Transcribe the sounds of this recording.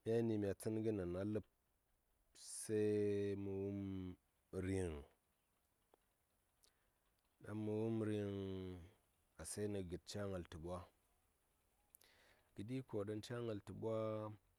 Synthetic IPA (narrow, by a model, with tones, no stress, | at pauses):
mi˦a˦ni˨mʲ˨a˨t͡si˦nɡə˦na˨na˦lɨ˦p̚ | se˦mu˨wu˦m | ɾi˨ŋ | ɗa̰˦mə˨wu˦mɾi˦ŋ | a˨se˦nə˨ɡə˨t̚t͡ʃa˦ŋa˨ltɨ˨ɓʷa˦ | ɡ̥ə˨di˦ko˨ɗə˦nt͡ʃa˦ŋə˨ltɨ˨ɓwa˦